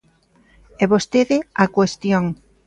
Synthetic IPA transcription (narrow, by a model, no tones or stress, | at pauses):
ɛβost̪eðɪakwest̪joŋ